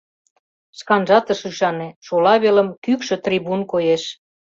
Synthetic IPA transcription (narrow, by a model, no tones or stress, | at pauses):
ʃkɑnʒɑt̪əʃyʃɑnĕʃolɑβelə̆mkykʃø̆t̪riβunkojeʃ